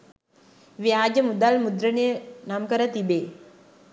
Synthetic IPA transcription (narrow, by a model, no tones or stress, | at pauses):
ʋiaːd͡ʒəmud̪almud̪ɾəɳenamkəɾət̪ibeː